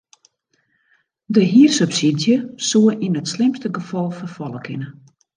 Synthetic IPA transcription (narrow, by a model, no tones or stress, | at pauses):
dəɦiːərsøpsidjəsuəʔinətslɪmstəɡəfɔlˠfəfɔlˠəkʰɪnə